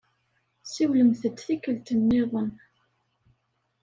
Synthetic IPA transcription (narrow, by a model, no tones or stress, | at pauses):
siwləmθət̪θikːəlt̪ənːɪðˤən